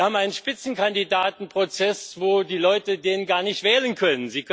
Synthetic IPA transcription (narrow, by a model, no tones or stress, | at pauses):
haːbm̩ʔaɪnənʃpɪt͡sn̩kandidaːtn̩pʁ̥ot͡sɛsvoːdiːlɔʏtədeːnnɡaːɐnɪçtv̥ɛːlənkʰœnənziːk